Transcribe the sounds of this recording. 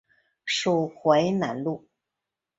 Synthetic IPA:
ʂu˨˩xwe˧˥ɪna˧˥nlu˥˩

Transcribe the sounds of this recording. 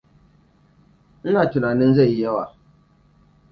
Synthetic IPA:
n̩˦na˨t͡ʃu˨na˨nɨ̃˦n˦zɛ˦˨jɛ˦wa˨

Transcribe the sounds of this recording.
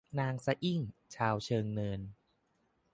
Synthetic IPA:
naː˧ŋsa˧ʔi˥˩ŋt͡ɕʰaː˧wt͡ɕʰɤː˧ŋnɤː˧n

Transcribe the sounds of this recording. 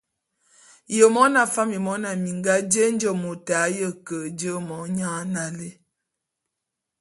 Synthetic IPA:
jə˨mɔ˦na˨fa˦mjə˨mɔ˨˦na˨mi˨ŋɡa˦d͡ʒe˦n̩˦d͡ʒɔ˦˨mo˨ta˨˦jə˦kə˨d͡ʒə˦mɔ˨˦ɲa˦na˨le˦

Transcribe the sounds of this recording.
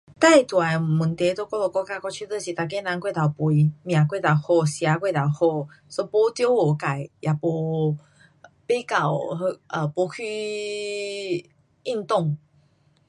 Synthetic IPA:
t̪a˥˧jt̪wa˨˩mu˨˩nt̪e˧t̪o˧˦kɔ˥˦lɔ˧˩kɔ˦˥ka˦˧kɔ˧t͡ɕʰu˥˧t̪ə˥˧˨ɕi˨t̪a˨k̬e˦nã˧ŋkwe˥˧˨t̪a˨˩wpwi˧mj̃ã˨˩k̬we˥˨t̪a˨˩whɔ˧ɕja˧˦kwe˥˧˨t̪a˨˩whɔ˥˧ | sɔ˧˦pɔ˧˦t̪jɔ˦o˨˩ka˨˩jja˨˩pɔ˧ | pe˦ka˨˩wʔə˨pɔ˧˦kʰi˧ | i˥˧nt̪ɔ˥˨ŋ

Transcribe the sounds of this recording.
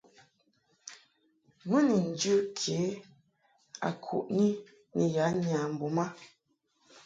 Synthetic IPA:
mə˦ni˨n̩˨d͡ʒə˦kʰje˨˦ | a̰˨kʰṵ˨ʔni˦ | ni˨ja˨˦ɲa˨m̩˨bu˨ma˦

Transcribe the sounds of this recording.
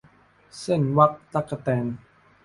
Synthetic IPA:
se˥˩nwa˦˥k̚t̪a˦˥k̚sa˧˩t̪ɛː˧n

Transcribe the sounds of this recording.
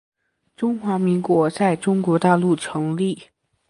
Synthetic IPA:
ʈ͡ʂʊ˥ŋxwa˧˥mi˧˥ŋkwɔ˧˥t͡sa˥˩ɪʈ͡ʂʊ˥ŋkwɔ˧˥t̪a˥˧lu˥˩ʈ͡ʂʰɤ˧˥ŋli˥˩

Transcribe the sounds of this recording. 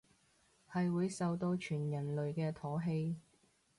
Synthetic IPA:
hɐ˨jwuː˨˧jsɐ˨wt̪o˧wt͡ʃʰyː˨˩njɐ˨˩nlɵ˨ɥkɛː˧t̪ʰɔː˨˥ɦe˧j

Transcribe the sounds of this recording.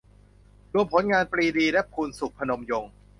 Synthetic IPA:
ɾu˧əmpʰo˩˦nŋaː˧npɾiː˧diː˧lɛ˦˥pʰuː˧nsu˨˩k̚pʰa˧no˧mjo˧ŋ

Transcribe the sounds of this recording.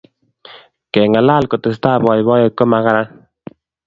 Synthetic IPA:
kɛ˨ŋa˨la˦lko˨te˨s̬taː˦bɔ˨jbɔ˦je˨kːo˦ma˨ka˦ɾa˦n

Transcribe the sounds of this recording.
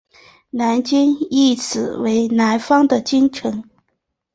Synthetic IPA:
na˧˥nt͡ɕi˥ni˥˩t͡sʰɹ̩˨˩we˧˥ɪna˧˥ɪfɑ˥ŋd̪ə˨t͡ɕi˥nʈ͡ʂʰɤ˧˥ŋ

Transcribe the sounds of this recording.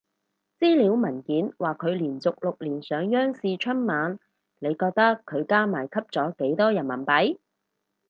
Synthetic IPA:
t͡siː˥liː˨˥wmɐ˨˩nkiː˨˥nwaː˨˩kʰɵ˨˧ɥliː˨˩nt͡sʊ˨k̚lʊ˨k̚liː˨˩nsœː˨˧ŋjœː˥ŋsiː˧t͡ʃʰɵ˥nmaː˨˧n | ne˨˧jkɔː˧k̚t̪ɐ˥kʰːɵ˨˧ɥkaː˥maː˨˩jkʰɐ˥p̚t͡sɔː˨˥ke˨˥jt̪ɔː˥jɐ˨˩nmɐ˨˩npɐ˨˥j

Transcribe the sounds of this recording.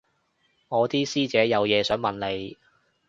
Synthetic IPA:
ŋɔː˨˧t̪iː˥siː˥t͡sɛː˨˥jɐ˨˧wjɛː˨˧sœː˨˥ŋmɐ˨nle˨˧j

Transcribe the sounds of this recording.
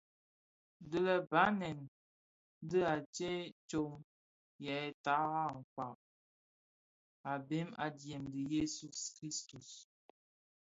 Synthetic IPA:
də˦lə˨ba˨˦nɛ˨n˦ | də˦a˨t͡ʃe˦t͡ʃo˦m | jɛ˨˦ɛ˦ta˨˦ɣa˦˨ŋ̩˨kwa˨k̚ | a˨be˦ma˨djɛ˨mdə˨je˦su˨skɾi˦stu˨s

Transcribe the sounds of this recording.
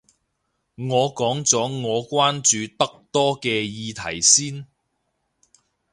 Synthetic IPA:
ŋɔː˨˧kɔː˨˥ŋt͡sɔː˨˥ŋɔː˨˧kʷwaː˥nt͡ʃyː˨˧t̪ɐ˥k̚t̪ɔː˥kɛː˧jiː˨˧t̪ʰɐ˨˩jsiː˥n

